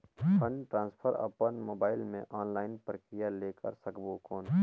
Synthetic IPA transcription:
pʰənʈɾãːnspʰəɾə̰pənmoːbaːɪlmḛ̃ʔɔːnlaːɪnpɾəkɾɪjaleːkə̰ɾsɐkbokɔːn

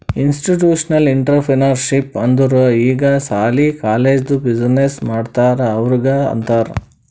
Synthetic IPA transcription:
insʈiʈjuːʂɐnɐliɳʈɐɾpʰɾenɐɾʃipɐnd̪uɾɐiːɡɐsaːlikaːleːd͡ʒd̪ubid͡ʒɐnesmaːɖt̪aːɾeɐʋɐɾiɡɐɐ̰nt̪aːɾḛ

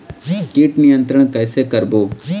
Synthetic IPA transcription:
kiːʈnɪjənt̪ɾəɳ̃kəːseːkəɾboː

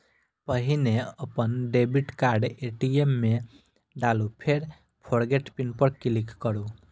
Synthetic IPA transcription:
pəɦineəpənɖebiʈkaɾɖeʈiemːe | ɖalupʰeɾ | pʰoɾɡeʈpinpəɾkilikːəɾu

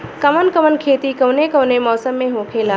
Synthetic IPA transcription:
kɐmənkəmənkʰeːt̪ikəʋnekəʋnemɔːsəmːẽɦõːkʰelaː

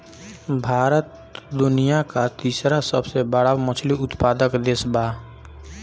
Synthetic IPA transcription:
bʱaːɾət̪ | d̪ʊnijakat̪iːsɾasəbsebəɽamət͡ʃʰliʊt̪paːd̪əkd̪eːsbaː

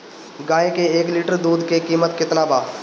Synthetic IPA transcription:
ɡaːekeeːklɪʈəɾd̪uːd̪kekiːmət̪kɪt̪nabaː

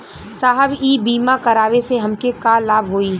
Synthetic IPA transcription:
saːɦəbiːbiːmakɐɾaːʋeseɦɐmkekaːlaːbɦoːiː

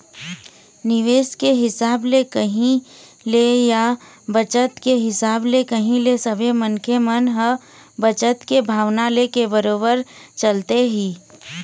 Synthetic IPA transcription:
nɪʋeːskeɦɪsaːblekəɦĩ | leja | bət͡ʃət̪keɦɪsaːblekəɦĩlesəbʱemənkʰemənɦə | bət͡ʃət̪kebʱaːʋnalekebəɾoːbəɾt͡ʃɐlt̪eɦiː

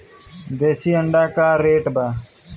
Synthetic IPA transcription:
d̪eːsiːəɳɖaːkaːɾːeːʈbaː

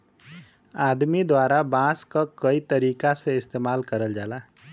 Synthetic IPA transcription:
aːd̪mid̪waːɾabãːskakəit̪əɾiːkaseɪst̪eːmaːlkəɾəld͡ʒaːlaː

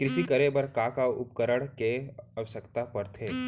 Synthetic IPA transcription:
kɾɪʃikəɾebɐɾkakaʊp̚kəɾəɽ̃keɐʋəʃəkt̪apɐɾt̪ʰeː

